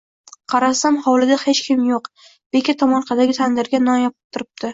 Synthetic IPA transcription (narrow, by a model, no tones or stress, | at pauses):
qʰɑɾasamχɒwlɪd̪ahe̞t͡ʃkʲʰɪmjoq | b̥e̞kʲat̪ʰɒmɒnqʰɑd̪aɡʲɪt̪ʰand̪ɪɾɡʲanɒnjɒp̚ɪ̥pt̪ʰʊɾɪp̚t̪ʰɪ